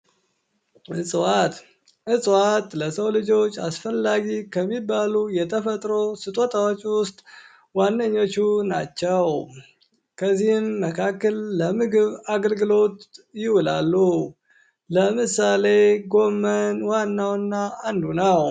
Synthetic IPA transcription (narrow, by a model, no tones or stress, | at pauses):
ʔɨsʼwat̪ | ʔɨsʼwat̪ləsəwlɨd͡ʒo̞t͡ʃːasfəlːaɡikʰəmːibːalujɛt̪ʰəfət̪ʼɾo̞sɨt̪ʼo̞t̪ʰawot͡ʃʼːwʊst̪ʼ | wanːəɲːo̞t͡ʃːunat͡ʃːɛw | kʰəzːihɪmːəkʰakːəlːəmɨɡɨβaɡəlɡɨlo̞t̪jɪwʊlalːu | ləmɨsale̞ɡo̞mːənwanːawnːaːnd̪unəw